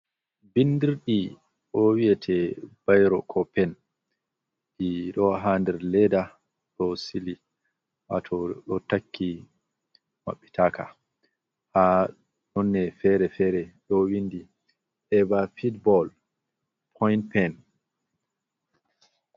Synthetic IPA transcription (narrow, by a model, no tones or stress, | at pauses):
bindiɾɗi | ʔɔwiɛtʰɛb̥ajɾɔkʰɔpɛn | ʔiɗɔɦandɛɾlɛda | ɗɔsili | ʔa̰tʰɔɗɔtakʰːi | ma̰ɓːitʰaːkʰa | ha | ɗɔnːɛfɛɾɛfɛɾɛɗɔwindi | ʔɛbafitbɔl | pʰɔjnpɛn